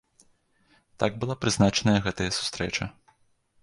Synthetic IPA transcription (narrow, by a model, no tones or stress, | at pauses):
t̪aɡ̚bɨlˠapɾɨznat͡ʂɐnɐjɐɣɛt̪ɐjɐsu̥st̪ɾɛt͡ʂɐ